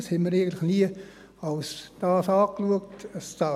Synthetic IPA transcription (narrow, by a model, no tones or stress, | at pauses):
shɛnməɾeɪɡəntlɪxniə | ɑlsd̥ɑːsɑːkluək̚təstɑ